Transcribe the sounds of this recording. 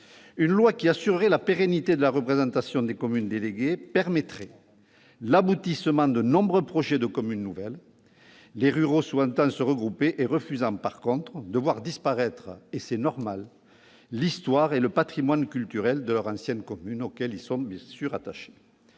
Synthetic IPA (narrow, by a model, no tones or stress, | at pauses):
ynlwakʲiasyʁəʁelapeʁɛnit̪ed̪əlaʁəpχezɑ̃t̪asjɔ̃d̪ekɔmynd̪eleɡepɛʁmɛt̪χɛ | labut̪isəmɑ̃d̪ənɔ̃bʁøpχɔʒed̪əkɔmynːuvɛlː | eʁyʁoswɑ̃nt̪ɑ̃səʁəɡʁupeʔeʁəfyzɑ̃paʁkɔ̃t̪χəd̪əvwaʁd̪ispaʁɛt̪χəesɛnɔʁmalː | ist̪waʁeləpat̪χimwankʲylt̪yʁɛld̪əlœʁɑ̃sjɛnkɔmynokɛlilsɔ̃bjɛ̃syʁat̪aʃe̥